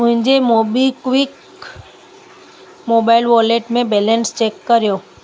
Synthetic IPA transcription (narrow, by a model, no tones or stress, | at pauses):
mʊ̃ɦɪ̃ɲd͡ʑemobikʋik | mobaɪlʋoleʈmẽbelenst͡ɕekːəɾjoː